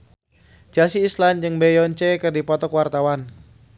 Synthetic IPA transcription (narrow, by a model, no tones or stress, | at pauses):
d͡ʒasiːsland͡ʒɨŋbejɔnt͡ʃekərdipɔt̪ɔkwart̪awan